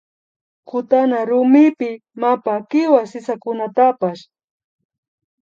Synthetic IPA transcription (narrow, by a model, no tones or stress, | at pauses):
kʰʊt̪anaɾʊmɪpɪ | mapakɪwasɪsakʊnat̪apaʃ